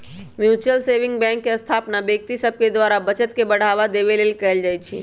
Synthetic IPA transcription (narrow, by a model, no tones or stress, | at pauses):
mjut͡ʃəlseʋɪ̃ŋɡbɛ̃ŋkːeəst̪ʰapnabjək̚t̪isəb̚ʱked̪ʋaɾabət͡ʃət̪̚kebəɽ̤aʋad̪eβelelkɛɛld͡ʒajt͡ʃʰḭ